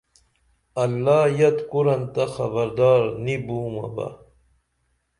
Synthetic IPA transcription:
ɐlːaːjɐt̪kuɾɐnt̪axɐbɐɾd̪ɑːɾnibuːmɐ̰ba̰

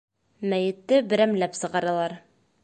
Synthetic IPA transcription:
mæjɘ̆t̪ːɘbɘ̆ɾæmlæpsɤ̆ʁɑɾɑlˠɑɾ

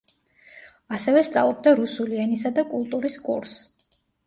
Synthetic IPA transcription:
asɛvɛst̪sʼa̰vlˠɔb̚d̪aɾusuliɛnisad̪akʼulˠt̪ʼuɾiskʼṵɾs

